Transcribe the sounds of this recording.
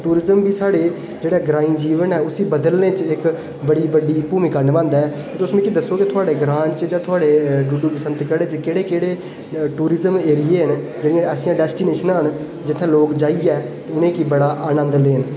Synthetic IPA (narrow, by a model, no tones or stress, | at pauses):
ʈuːɾɪzəmbiːsaːɽeː | d͡ʒeːɽeːɡɾaːĩːd͡ʒiːʋənɛːʊsiːbəd̪əlnẽːt͡ʃɪk | bəɽiːbəɖiːpuːmĩːkənʋãːnd̪aɛːt̪eːʊsmũːkid̪əsːoːkɪt̪ʰʊaːɽeːɡɾãːɲt͡ʃd͡ʒãːt̪ʰʊaːɽeːɖʊɖuːpəsənt̪kəɽeːt͡ʃkeːɽeːkeːɽeː | ʈuːɾɪzəmeːɾiːeːɦən | d͡ʒeːɽijãːəːsɪjãːɖɛːsʈiːneːʃənaːɦən | d͡ʒɪt̪ʰːẽːloːkd͡ʒaːiːɛːt̪eːʊnẽːkibəɽaːʔaːnə̃nd̪leːɦən